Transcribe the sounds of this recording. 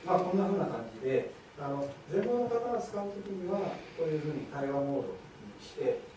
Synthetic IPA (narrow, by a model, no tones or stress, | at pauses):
makõ̞nːaɸɯ̟ːnakãɲ̟d͡ʑid̪e̞ | ano̞d͡zẽ̞mbonːokat̪aɾat͡sɨ̥kaɯ̟t̪okʲiɲ̟iβako̞ːjɯ̟ːɸɯ̟ːɲ̟it̪aiβamo̞ːd̪o̞̰t̪ | ɲiɕi̥t̪e̞